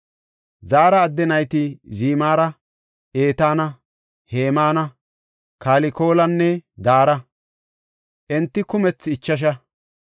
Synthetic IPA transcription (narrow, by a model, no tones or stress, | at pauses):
zaːɾɐːd̪ːɛnɐjt̪ɪziːmaːɾɐ | ʔeːt̪aːnɐ | he̞ːmaːnɐ | kaːlɪko̞ːlɐnːɛd̪aːɾɐ | ʔɛnt̪ːɪkʊmɛt͡sːɪt͡ʃːɐʃ̬ɐ